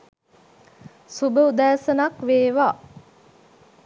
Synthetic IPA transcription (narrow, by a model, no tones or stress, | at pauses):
subəud̪æːsənakʋeːʋa